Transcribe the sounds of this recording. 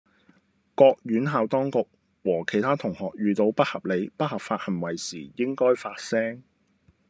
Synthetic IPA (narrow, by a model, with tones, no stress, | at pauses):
kɔː˧k̚jyː˨˥nɦaː˨˧wt̪ɔː˥ŋkʊ˨k̚ | wɔː˨˩kʰe˨˩jt̪ʰaː˥t̪ʰʊ˨˩ŋhɔː˨k̚jyː˨˧t̪o˨˧wpɐ˥t̚hɐ˨p̚le˨˧jpɐ˥t̚hɐ˨p̚faː˧t̚hɐ˨˩mwɐ˨˩jsiː˨˩jɪ˥ŋkɔː˥jfaː˧t̚sɛː˥ŋ